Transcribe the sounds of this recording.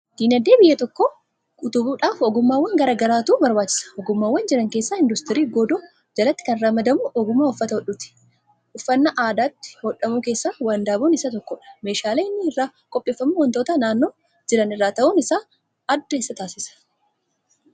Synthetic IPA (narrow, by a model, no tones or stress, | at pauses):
d̪̥iːnɐd̪eːbɪjːɐt̪ɔkːo | kʼʊt̪ʊbuːᶑaːfɔɡʊmːaːwːɐŋɡɐɾaːɡɐɾaːt̪uːbɐɾbaːt͡ʃːɪ̥sɐ̥ɔɡʊmːaːwːɐnd͡ʒɪɾɐŋkeːsːaːɪnd̪ʊst̪ɪɾiːɡɔd̪ɔ | d͡ʒɐlɐt̪ːɪ̥kɐnɾaːmɐd̪ɐmʊʔɔɡʊmːaːʊfːɐt̪ɐhɔᶑʊt̪ɪ̥ | ʔʊfːɐnːɐʔaːd̪aːt̪ːɪ̥hɔᶑɐmuːke̞ːsːaːwaːnd̪aːbonɪsɐt̪ɔkːɔᶑɐ̥me̞ːʃaːleːɪnːɪɪrːaː | kʼɔpʼːe̞ːfːɐmuwɐnt̪oːt̪ɐnaːnːo̞ː | d͡ʒɪɾɐnɪrːaːt̪ɐʔunɪsaː | ɐd̪ːɐesːɐt̪aːsɪsɐ̥